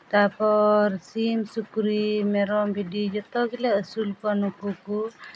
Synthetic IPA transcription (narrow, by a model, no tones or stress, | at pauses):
t̪apɔɾsimsukɾimɛɾɔmbidid͡ʒɔt̪ɔɡilaəsulpɔnukuku